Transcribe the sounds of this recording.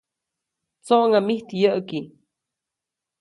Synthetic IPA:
t͡soʔŋamiht̪ijəʔki

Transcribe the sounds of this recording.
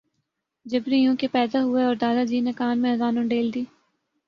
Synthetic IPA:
d͡ʒɐbɾijõkepɛːd̪aɦʊeɔːɾd̪aːd̪ad͡ʒiːnekaːnmẽɦɐzaːnõɖeːld̪iː

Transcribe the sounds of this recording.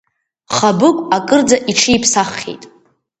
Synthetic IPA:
χabɨkʷʼakʼɨrd͡zaʔiʈ͡ʂʰijpʰsaχʲḛjtʼ

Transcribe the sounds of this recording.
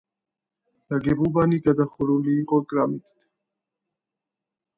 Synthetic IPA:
n̥aɡɛbubaniɡad̪aχuɾuliːqʼɔkʼɾamit̪t̪ʰ

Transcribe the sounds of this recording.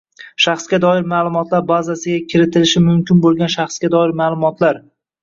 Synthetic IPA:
ʃaχsɡʲad̪ɒɪɾmaːlˠʊmɒt̪laɾbazasɪɡʲakʲʰɪɾɪt̪ʰɪlɪʃɪmʊmkʲʰɪnbolˠɡʲanʃaχsɡʲad̪ɒɪɾmaːlˠʊmɒt̪ʰlaɾ

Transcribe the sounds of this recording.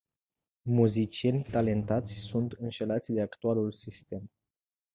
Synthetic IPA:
muzit͡ʃie̞nʲt̪ale̞nt̪at̪sʲsunt̪ɨnʃe̞lat̪sʲd̪e̞akt̪ualulsist̪e̞m

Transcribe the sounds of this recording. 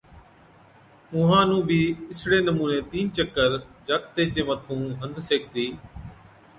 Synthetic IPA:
mũːɦãːnũːbiːɪsɽeːnəmuːneːt̪iːnt͡ʃəkːəɾd͡ʒaːkt̪eːt͡ʃẽːmət̪ʰũːɦə̃nd̪seːk̚ʰt̪iː

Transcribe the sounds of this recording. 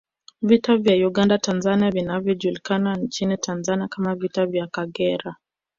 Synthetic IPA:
vitavjauɠandatanzaniavinavjɔʄulikanant͡ʃinitʰanzaniakamavitavjakaɠɛɾa

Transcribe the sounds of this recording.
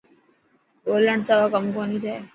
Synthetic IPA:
poːləɳɖsaʋakəmkonit̪ʰaː

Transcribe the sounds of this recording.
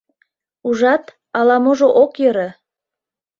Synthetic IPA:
uʒɑt̪ | ɑlɑmoʒoʔokjəɾe

